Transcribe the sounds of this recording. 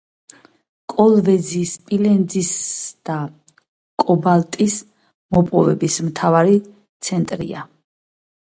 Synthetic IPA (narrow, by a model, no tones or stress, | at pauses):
kʼɔlˠvɛd̪zispʼilɛnd̪zisd̪̥a | kʼɔbalt̪ʼis | mɔpʼɔvɛbismt̪ʰavaɾi | t̪sʰɛnt̪ʼɾḭa